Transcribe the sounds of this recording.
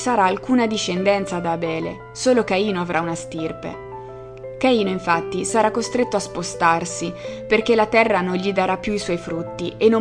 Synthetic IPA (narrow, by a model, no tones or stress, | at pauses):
saɾaːlkuːnad̪iʃːend̪ɛnt̪sad̪aːbɛːle | soːlokaiːnoavɾaunast̪irpḛ | kaiːnoiɱfat̪ːisaɾakːost̪ɾet̪ːoaspost̪arsiperkelat̪ɛrːanonʎid̪aɾapːjuiswɔjfɾut̪ːiʔenːo